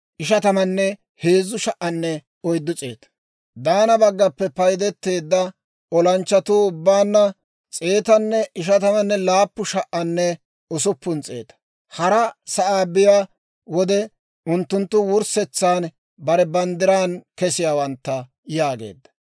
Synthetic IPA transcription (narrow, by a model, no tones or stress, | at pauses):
ʔɪʃɐt̪ɐmɐnːɛ | he̞ːzːʊʃɐʔɐnːɛ | ɔjd̪ːʊt͡sʼe̞̰ːt̪ɐ̥ | d̪aːnɐbɐɡːɐpːɛpɐjd̪ɛt̪ːe̞ːd̪ːɐ | ɔlɐnt͡ʃːɐt̪uʊbːaːnːɐ | t͡sʼeːt̪ɐnːɛɪʃ̬ɐt̪ɐmɐnːɛlaːpːʊʃɐʔɐnːɛ | ʊsʊpːʊnt͡sʼe̞ːt̪ɐ̥ | hɐɾɐsɐʔaːbɪjaː | wɔd̪ɛ | ʊnt̪ːʊnt̪ːʊwʊɾsɛt͡sːaːn | bɐɾɛbɐnd̪ɪɾaːnkɛsɪjaːwɐnt̪ːɐ | jaːɡḛːd̪ːɐ̥